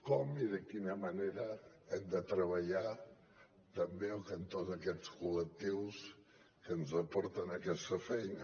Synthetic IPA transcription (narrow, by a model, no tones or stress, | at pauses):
kɔmiðəkinəməneɾə | ɛmd̪ət̪ɾəβəʎa | t̪əmbeokənt̪ozəkɛt͡skulək̚t̪iws | kənzəpɔɾt̪ənəkɛst̪əfɛjnə